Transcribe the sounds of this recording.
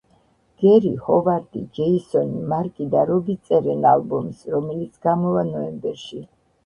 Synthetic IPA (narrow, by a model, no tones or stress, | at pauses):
ɡ̥ɛɾihɔvaɾt̪ʼid͡ʒɛisɔnimaɾkʼid̪aɾɔbit̪sʼɛɾɛnalbɔmisɾɔmɛlit̪sʰɡamɔvanɔɛmbɛɾʃi